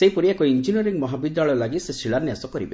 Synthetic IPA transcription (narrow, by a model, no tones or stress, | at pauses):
seipɔɾiakɔind͡ʒinɔɾiŋmɔɦabid̪ːaɭɔjɔlaɡisesɾiɭaɾnjasɔkɔɾḭbe